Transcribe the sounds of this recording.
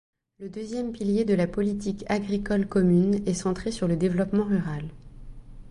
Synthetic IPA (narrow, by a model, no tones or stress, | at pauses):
ləd̪øzjɛmpiljed̪əlapɔlit̪ikaɡʁikɔlkɔmynɛsɑ̃t̪χesyʁləd̪evlɔpmɑ̃ʁyʁal